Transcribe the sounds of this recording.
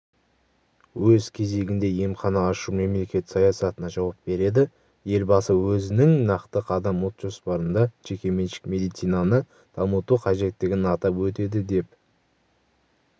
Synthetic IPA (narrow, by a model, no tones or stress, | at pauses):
wɵzkʲʰe̞ze̞ɡʲɪnd̪e̞je̞mχɑnɑːʃume̞mle̞kʲe̞t̪sɑjɑsɑt̪ənɑʒɑwɑp̚be̞ɾe̞d̪ɪ | je̞lbɑsəwɵzɪnɪŋnɑqt̪əqɑd̪ɑmwot̪ʒ̥o̞spɑɾənd̪ɑʒe̞kʲe̞me̞nʃɪ̥kmʲe̞d̪ijt̪sijnɑnə | d̪̥ɑmət̪uqʰɑʒe̞t̪ːɪɡʲɪnɑt̪ɑpwɵt̪e̞d̪ɪd̪e̞p̚